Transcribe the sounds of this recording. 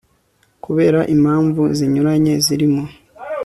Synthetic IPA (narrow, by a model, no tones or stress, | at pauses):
kuβe̞ːɾaʔimhaːɱvuziɲuɾaɲe̞ziɾimo